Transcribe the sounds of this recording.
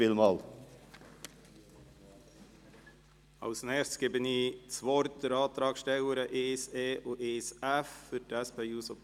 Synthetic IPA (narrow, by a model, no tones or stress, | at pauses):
ɪlmɑːl | ɑ̰ʊsnɛːstkeːbəniːt͡sʋɔɾt̪əɾɑːt̪ɾɑːkʃtɛləɾəʔeːseːʔoːʔeːsæffʏɾdæspeːuːsɔp